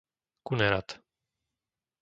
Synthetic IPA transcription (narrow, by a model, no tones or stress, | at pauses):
kunɛɾat̪